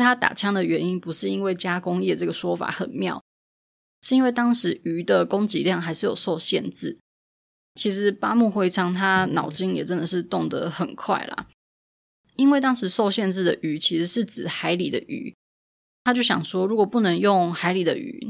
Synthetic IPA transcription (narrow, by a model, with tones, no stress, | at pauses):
t̪ʰa˥t̪a̰˨˩t͡ɕʰjɑ˥ŋd̪ə˨ɥɛ˧˥ni˦˥npu˧˥ʂɻ̩˥˩i˦˥nwe˥˩ɪt͡ɕja˥kʊ˥ŋjɛ˥˧ʈ͡ʂɤ˥˩ɡə˩ʂwɔ˥fa̰˨˩xə˨˩nmjɑ˥˨˩ʊ | ʂɻ̩˥˩i˥nwe˥˩ɪt̪ɑ˥ŋʂɻ̩˧˥y˧˥d̪ə˨kʊ˥ŋt͡ɕḭ˧˥ljɑ˥˩ŋxa˧˥ɪʂɻ̩˥˩jo˨˩ʊso˥˧ʊɕjɛ˥˧˨nt͡sɻ̩˥˩ | t͡ɕʰi˧˥ʂɻ̩˧˥pa˥mu˥˧xwe˥˩ɪt͡sʰɑ˥ŋt̪ʰa˥nɑ˨˩ʊt͡ɕi˥ŋjɛ̰˨˩ʈ͡ʂə˦˥nd̪ə˨ʂɻ̩˥˧t̪ʊ˥˩ŋd̪ə̰˧˦xə̰˨˩nkʰwa̰˥˩ɪlɐ̰˩ | i˥nwe˥˩ɪt̪ɑ˥ŋʂɻ̩˧˥˦so˥˧ʊɕjɛ˥˧nt͡sɻ̩˥˩d̪ə˩ʔy˧˥t͡ɕʰi˧˥ʂɻ̩˧˥˦ʂɻ̩˥˩t͡sɻ̩˨˩xa˧˥ɪli˨˩d̪ə̰˦ʔy̰˨˧˥ | t̪ʰa˥t͡ɕjo˥˩ʊɕjɑ̰˨˩ŋʂwɔ˥ɻu˧˥kwɔ˨˩pu˥˩nə˧˥ŋjʊ˥˩ŋxa˧˥ɪli˨˩d̪ə˦ʔy̰˨˩